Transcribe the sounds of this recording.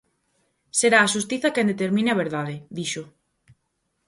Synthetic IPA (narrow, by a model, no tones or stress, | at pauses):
seɾaːʃust̪iθakẽnd̪et̪eɾmĩneaβ̞eɾðaðeðiʃo